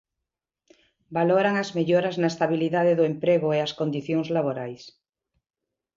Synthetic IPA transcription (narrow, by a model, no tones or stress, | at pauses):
baloɾaŋazmeʎoɾaznaest̪aβ̞iliðaðeðoempɾeɣoeaskond̪iθjoŋzlaβ̞oɾajs